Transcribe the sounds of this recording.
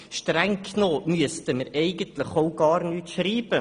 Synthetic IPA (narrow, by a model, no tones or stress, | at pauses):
ʃtɾɛŋkʰnoːmyəstəməɾɛɪɡənt̪ləχoʊɡɑːɾnyːtʃɾiːb̥ə